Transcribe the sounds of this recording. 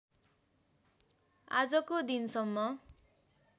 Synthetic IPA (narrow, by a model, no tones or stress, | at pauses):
a̰d͡zʌkod̪insʌmːʌ